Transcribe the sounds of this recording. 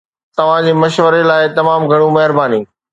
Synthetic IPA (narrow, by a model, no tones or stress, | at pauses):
t̪ɐʋ̤ãd͡ʑiːmɐʃʋəɾelaːɪt̪ɐmaːmɡʱɐɽ̃ũmɐɦɪɾbaːniː